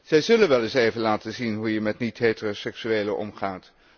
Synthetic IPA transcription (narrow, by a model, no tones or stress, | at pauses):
z̥ɛjzɵlənʋɛlˠɪsejvənlaːtənzinɦujəmɛtnitɦetərosɛksyeːləʔɔ̰mχaːt